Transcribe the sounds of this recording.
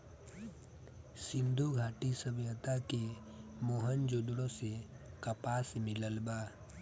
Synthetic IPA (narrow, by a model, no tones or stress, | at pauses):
sɪ̃nd̪ʱuɡʱaːʈisəbjət̪ake | moːɦənd͡ʒʊd̪ɽõse | kəpaːsmɪləlbaː